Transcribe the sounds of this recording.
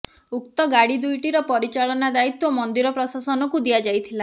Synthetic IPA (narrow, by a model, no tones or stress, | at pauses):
uk̚t̪ɔɡaɽid̪ujʈiɾɔpɔɾit͡ʃaɭɔnad̪ait̪wɔmɔnd̪iɾɔpɾɔsasɔnɔkud̪iad͡ʒajt̪ʰila